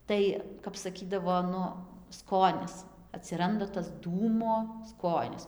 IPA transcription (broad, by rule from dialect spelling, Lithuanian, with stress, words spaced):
ˈtɐɪ kɐp sɐˈkʲiːdɐʋoː ˈnʊ ˈskoːnʲɪs ɐtʲsʲɪˈrɐndɐ tɐs ˈduːmoː ˈskoːnʲɪs